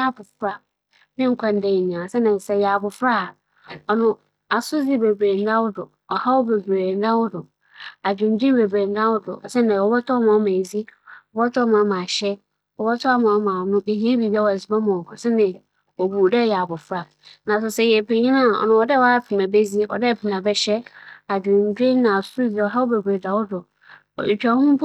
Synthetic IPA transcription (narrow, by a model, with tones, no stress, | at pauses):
a˦bʊ˨fɾa˦ | nɪ̃˦ŋ̩˨kʰʷã˦n˦de˨nĩ˨ã˨sɛ˦nɪ̃˨sɛ˨jɛ˨a˨bʊ˨fɾa˦˨ | ɔ˨nʊ̃˦ | a˨sʊ˦zi˦be˨bɾe˨n̩˦da˦wʊ˦dʊ˨ | ɔ˨ha˦wɔ˦be˨bɾe˨n̩˦dã˦wʊ˦dʊ˨ | a˨d͡ʑᶣʊ̃˨n˦di˦be˨bɾe˨n̩˦da˦wʊ˦dʊ̰˨sɛ˦nɛ̃˨ɔ˨bɔ˦tʰɔ˦mã˨˦mã˨zi˦ɔ˨bɔ˦tʰɔ˦mã˨˦mã˨ɕɛ˦ | ɔ˨bɔ˦tʰʊ˦a˦mã˨wmã˨nʊ̃˦be˨ɦĩ˦e˦bi˨ba˦wɔ˨æ˨zi˨˦ba˦mã˨kʰʊ̃˨sɪ˦nɪ̃˨ | ɔ˨bu˨dɛ˦jɛ˨a˨bʊ˨fɾa˨ | nã˨s̬ʊ˨sɛ˦jɛ˨pʰe˨ɲĩ˦nã˦˨ɔ̰˨nʊ̃˨wɔ˨dɛ˦wa˦pʰi˨mã˨be˦zi˦wɔ̰˨dɛ˦˨pʰɪ˨mã˨bɛ˦ɕɛ˦a˨d͡ʑᶣɪ̃˨n˦dᶣɪ˦nã˨sʊ˦di˨ɔ˨ɦa˦wʊ˦be˨bɾe˨da˨wʊ˦dʊ̰˨ | i˨t͡ɕᶣa˨wʊ̃˦mʊ̃˦pʰ